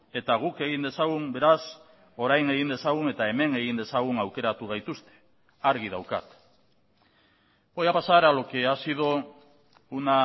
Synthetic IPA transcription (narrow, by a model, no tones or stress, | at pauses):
e̞t̪aɣuke̞ɣ̞ind̪e̞saɣumbe̞ɾas | o̞ɾajne̞ɣind̪e̞saɣ̞une̞t̪ae̞me̞ne̞ɣind̪e̞saɣ̞unawke̞ɾat̪uɣ̞ajt̪ust̪e̥ | aɾɣið̞awka̰t̪ | bojapasaɾalokeasiðo | una